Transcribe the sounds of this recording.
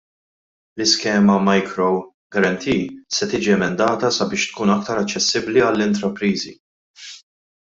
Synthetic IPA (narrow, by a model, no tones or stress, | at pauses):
lɪskɛːmɐmɐjkɾɔ | ɡɐɾɐnt̪ʰiːsɛt̪iːd͡ʒiɛmɛnd̪ɐːt̪ɐsɐbɪːʃt̪kuːnɐkt̪ɐɾɐt͡ʃːɛsːɪbliɐlːɪnt̪ɾɐpɾiːzi